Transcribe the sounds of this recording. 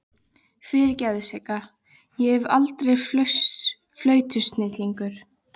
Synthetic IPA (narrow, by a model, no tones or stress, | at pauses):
fɪɾɪɾcaːðʏsɛka | jɛɛvalt̪ɾejfs | flœːɥt̪ʰʏst̪nɪt̪liŋkʏɾ̥